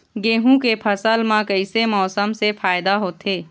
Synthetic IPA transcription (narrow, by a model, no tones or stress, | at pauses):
ɡeːɦũkepʰəsəlmãkəɪsemɔːsəmsefʰaːjd̪aɦoːt̪eː